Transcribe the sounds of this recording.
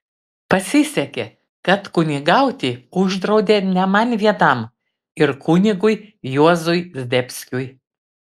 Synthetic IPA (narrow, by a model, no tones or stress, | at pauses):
pɐsʲɪsʲɛkʲe | kɐt̪kʊnʲɪɡɐʊt̪ʲiːʊʒd̪ɾɐʊd̪ʲeːnʲɛmɐnʲʋʲiɛt̪ɐm | ɪɾkʊnʲɪɡʊɪjuɔzʊɪzʲd̪ʲɛpʲsʲkʲʊj